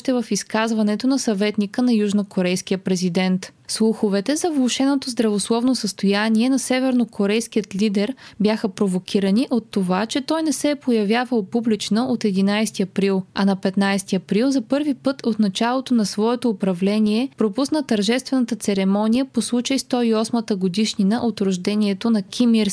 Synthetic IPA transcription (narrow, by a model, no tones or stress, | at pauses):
ʃt̪ɛvɐfiskazvɐnɛt̪onɐsɐvɛt̪nikənɐjuʒnokoɾɛjsk̟ijəpɾɛzid̪ɛnt̪slˠuxovɛt̪ɛzɐvlˠoʃɛnot̪ozd̪ɾɐvoslˠɔvnosəst̪ojaniɛnɐsɛvɛɾnokoɾɛjskijət̪lid̪ɛɾbjaxəpɾovokʲʰiɾəniʔot̪ːovat͡ʃɛt̪ɔjnɛsɛpojɐvjavəlˠpublit͡ʃnəʔot̪ɛd̪inajst̪iɐpɾilˠɐnɐpɛt̪najst̪iɐpɾilˠzɐpɤɾvipɤt̪ʰot̪nɐt͡ʃalˠot̪onɐsvɔɛt̪oːpɾɐvlɛniɛpɾopusnət̪ɐɾʒɛst̪vɛnət̪ət̪sɛɾɛmɔnijəposlˠut͡ʃəjst̪ɔiɔsmət̪əɡod̪iʃninəʔot̪ɾoʒd̪ɛniɛt̪onɐkʲʰimiɾs